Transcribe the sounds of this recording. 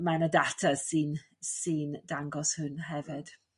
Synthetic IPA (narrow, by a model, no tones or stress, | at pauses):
manədatʰḁsin | sind̥aŋɡɔshʊnɦɛvɪd̥